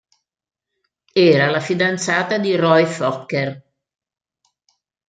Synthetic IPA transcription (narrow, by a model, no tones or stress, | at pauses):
ɛːɾalafid̪ant̪saːt̪ad̪irɔjfɔkːer